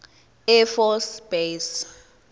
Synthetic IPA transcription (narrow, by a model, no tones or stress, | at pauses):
ɛfɔsb̥es